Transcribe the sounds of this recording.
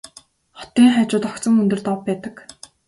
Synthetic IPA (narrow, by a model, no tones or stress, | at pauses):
χɔ̥t̪iːŋχæːt͡ɕʊːt̪ɔkt͡sɞ̆ŋɵnt̪ɵ̆rt̪ɔpːæːt̪ə̆k